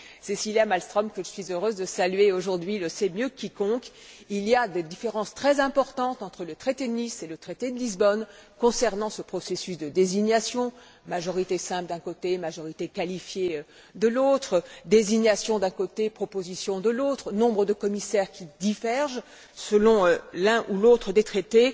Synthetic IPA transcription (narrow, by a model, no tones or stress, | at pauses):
sɛsiljamalst̪χɔmkəʒəsɥizøʁøzd̪əsalɥeoʒuʁd̪ɥiləsɛmjøkʲikɔ̃k | ilijad̪ed̪ifeʁɑ̃st̪χɛzɛ̃pɔʁt̪ɑ̃t̪ɑ̃t̪χələt̪χet̪ed̪əniselət̪χet̪ed̪əlizbɔnkɔ̃sɛʁnɑ̃səpχɔsesysd̪əd̪eziɲasjɔ̃ | maʒɔʁit̪esɛ̃pld̪ɛ̃kot̪emaʒɔʁit̪ekalifje | d̪əlot̪χəd̪eziɲasjɔ̃d̪ɛ̃kot̪epχɔpozisjɔ̃d̪əlot̪χənɔ̃bʁəd̪əkɔmisɛʁkʲid̪ivɛʁʒ | səlɔ̃ølɛ̃ʔulot̪χəd̪et̪χet̪e